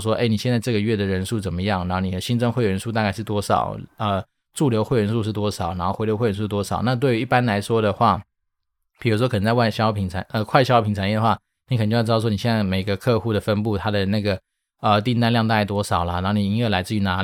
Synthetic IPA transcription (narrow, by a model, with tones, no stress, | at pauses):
ʂ̬wɔ˥ʔe˥˩ɪni˨˩ɕjɛ˥˧t͡sa˥˧ɪʈ͡ʂɤ˥˩ɡə˩ɥɛ˥˩d̪ə˩ɻə˧˥nʂu˥˩t͡sə˨˩nmə˦jɑ˥˩ŋɻa˧˥nxo˥˧˩ni˨d̪ə˦ɕi˥nt͡sɤ˥˧ŋxwe˥˩ɪɥɛ˧˥nʂu˥˧t̪a˥˧ka˥˧ɪʂɻ̩˥˩t̪wɔ˥ʂɑ̰˨˩˦ʊə˧ | ʈ͡ʂu˥˩ljo˧˥ʊxwe˥˩ɪɥnʂu˥˧ʂɻ̩˥˩t̪wɔ˥ʂɑ˨˩ʊna˧˥nxxe˧˥jo˧˥xe˥˩˧u˥˧t̪wɔ˥ʂɑ˨˩ʊna˥˧t̪̬we˥˩ɪy˧˥i˥˩pa˥nla˧˥ɪʂwɔ˥d̪ə˨xwa˥˩ | pʰi˨˩u˥ʂ̬ɔ˥kʰnə˧˩t͡sa˥˧wa˥˩ɕjɑ˥ʊpʰi˨˩ŋʰa˨˦ə˧kʰwa˥ɪɕjɑ˥ʊpʰi˨˩ŋt͡sʰa˨˩njɛ˥˩d̪ə˩xwa˥˧˩ | ni˧kʰt͡ɕo˥˧˥wɔ˥ni˨˩ɕɛ˥˧nt͡sa˥˩ɪme˨˩ɪɡə˧˦kʰɤ˥˧xu˥˩d̪ə˩fə˥npu˥˩t̪ʰa˥d̪ə˨na˥˩ɡə˩ | ə˧t̪i˥˧nt̪̬a˥˧nljɑ˥˧ŋt̪̬a˥˧˩t̪wɔ˥ʂɑ˨˩ʊlɐ˦na˧˥nxo˥˩ni˨˩i˧˥ŋwɛ˥˩la˧ɪt͡sɹ̩˥˩y˧˥na˧˥